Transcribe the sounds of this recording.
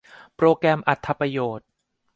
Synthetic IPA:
pɾoː˧kɾɛː˧mʔa˨˩t̪ʰːa˧pɾa˧joː˨˩t̪̚

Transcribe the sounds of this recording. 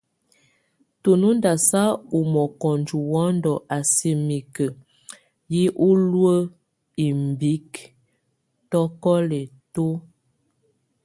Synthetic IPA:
to˨nu˦nda˨sa˦u˨mɔ˨kɔ˨n˨d͡ʒu˨wɔ˦ndɔ˨ʔa˨se˨mi˨kə˨ | ji˦ʔu˦lwə˦ | i˨mbi˨˦k | tɔ˦kɔ˦lɛ˨to˦

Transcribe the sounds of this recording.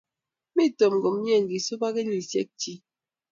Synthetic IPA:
mi˦to˨m˨ɡɔ˨m˦ɲ˦e˦˨ŋ̩˨ɡi˨so˦ba˦ɡe˦ɲi˨sjɛ̰˦k̚t͡ʃi˦

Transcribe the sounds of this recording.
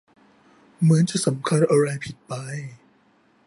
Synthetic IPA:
mɯ˩˦ənt͡ɕa˨˩sa˩˦mkʰa˧nʔa˧ɾa˧jpʰi˨˩t̪̚pa˧j

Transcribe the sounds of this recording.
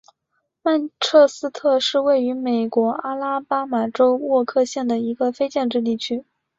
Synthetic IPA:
ma˥˧nʈ͡ʂʰɤ˥˩sɹ̩˥t̪ʰɤ˥˧ʂɻ̩˥˧we˥˩ɪy˧˥me˨˩ɪkwɔ˧˥ʔa˥la˥pa˥ma˨˩ʈ͡ʂo˥ʊwwɔ˥˧kʰɤ˥˧ɕjɛ˥˩nd̪ə˩i˧˥ɡə˧fe˥ɪt͡ɕjɛ˥˧nʈ͡ʂɻ̩˥˧t̪i˥˩t͡ɕʰy˥

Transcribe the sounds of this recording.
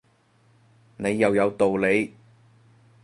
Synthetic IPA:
ne˨˧jːɐ˨wjɐ˨˧wt̪o˨wle˨˧j

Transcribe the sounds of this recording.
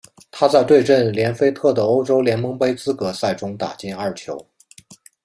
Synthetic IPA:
t̪ʰa˥t͡sa˥˧ɪt̪we˥˧ɪʈ͡ʂə˥˩nljɛ˧˥nfe˥ɪt̪ʰɤ˥˩d̪ə˩o˥ʊʈ͡ʂo˥ʊljɛ˧˥nmɤ˧˥ŋpe˥ɪt͡sɹ̩˥kɤ˧˥sa˥˩ɪʈ͡ʂʊ˥ŋt̪a̰˨˩t͡ɕi˥˧nɐ˞˥˩t͡ɕʰjo˧˥ʊ

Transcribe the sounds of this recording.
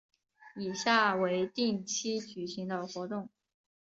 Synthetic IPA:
i˨˩ɕja˥˩we˧˥ɪt̪i˥˩ŋt͡ɕʰi˥t͡ɕy˨˩ɕi˧˥ŋd̪ə˧xwɔ˧˥t̪ʊ˥˩ŋ

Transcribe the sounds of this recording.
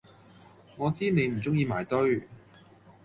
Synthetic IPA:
ŋɔː˨˧t͡siː˥ne˨˧jm̩˨˩t͡sʊ˥ŋjiː˧maː˨˩jt̪ɵ˥ɥ

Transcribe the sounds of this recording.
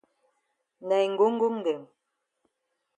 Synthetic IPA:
nɛ˨jŋ̩˨ɡu˦ŋ̩˦ɡu˦ŋ˦ɡe˨m

